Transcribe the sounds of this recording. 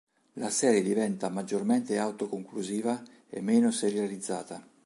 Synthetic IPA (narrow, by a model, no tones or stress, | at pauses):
lasɛːɾjed̪ivɛnt̪amad͡ʒːormɛnt̪eawt̪okoŋkluziːva | ḛmːeːnoseɾjalid̪zːaːt̪a